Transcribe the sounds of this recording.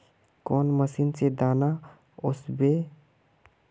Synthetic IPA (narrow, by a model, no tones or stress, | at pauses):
kɔːnməsiːnsed̪aːna | ʊsbe